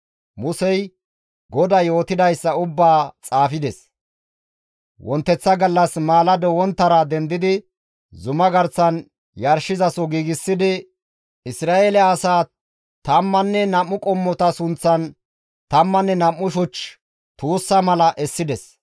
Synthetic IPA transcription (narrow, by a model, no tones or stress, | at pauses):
mʊsɛj | ɡɔd̪ɐjo̞ːt̪ɪd̪ɐjsːɐʊbːaːt͡sʼaːfɪd̪ɛs | wɔnt̪ːɛt͡sːɐɡɐlːɐsmaːlɐd̪ɔwɔnt̪ːɐɾɐd̪ɛnd̪ɪd̪ɪ | zʊmɐɡɐɾt͡sːɐn | jɐɾʃɪzɐsɔɡiːɡɪsːɪd̪ɪ | ɪsɾaːelɛɐsaː | t̪ɐmːɐnːɛnɐmːʊkʼɔmːɔt̪ɐsʊnt͡sːɐn | t̪ɐmːɐnːɛnɐmːʊʃʊt͡ʃ | t̪uːsːɐmɐlɐʔɛsːɪd̪ɛs